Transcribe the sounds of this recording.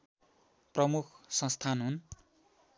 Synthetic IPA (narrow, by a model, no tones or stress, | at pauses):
prʌmukʰsʌ̃st̪ʰanɦun